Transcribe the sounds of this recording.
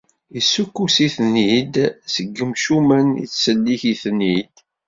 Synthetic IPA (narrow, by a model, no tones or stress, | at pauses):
isːukːusiθnid̪səɡːəmʃumænḭt͡sːsəlːiçiθnid̪̥